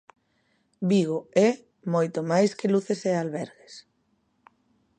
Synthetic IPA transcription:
biɣ̞oɛ | mojt̪omajskeluθesealβɛɾɣes

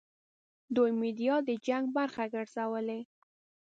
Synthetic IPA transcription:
d̪ojmid̪ijɑd̪əd͡ʒaŋɡ̚baɾxaɡəɽz̥awəle

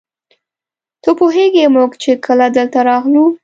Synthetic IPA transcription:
t̪opoɦeɡemuɡt͡ʃekʰəlad̪əlt̪aɾɑɣlu

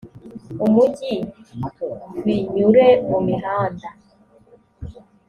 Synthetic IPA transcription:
omuki | wiɲuɾeomiada

